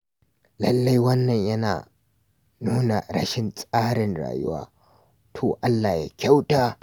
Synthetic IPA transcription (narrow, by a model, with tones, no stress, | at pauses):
lɐ̰˨lːɐ˦jwɐ˦nːɐ˨ɲjɐ˦na̰ː˨ | nuː˦na̰˨ɽɐ̰˦ʃɪ˨nsʼaː˦ɽɪ˨nɽa̰ː˨jʊ̰˦wa̰ː˦ | tʰoː˨ʔa˦lːaː˨ja̰˦kʲa˦wtaː˦